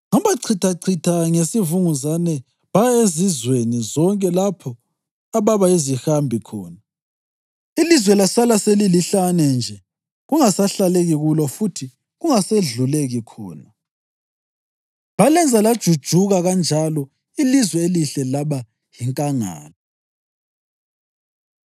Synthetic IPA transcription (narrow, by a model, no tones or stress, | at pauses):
ŋɔβaǀʰitʰaǀʰitʰaŋesivuŋuzanɛ | βaezizwenizɔŋkʼɛlapʰɔ | aβaβaizixambʱikʰɔ̰ːna | ilizwɛlasalaseliliɬanɛnd͡ʒʱɛ | ɣuŋasaɬaleɣiɣulɔfutʰi | ɣuŋaseɮuleɣikʰɔ̰ːna | βalɛnd͡zʱalad̥ʒ̥ʱud̥ʒ̥ʱuɣaɣand͡ʒʱalɔ | ilizwɛeliɬɛlaβa | jiŋkʼaŋa̰ːlɔ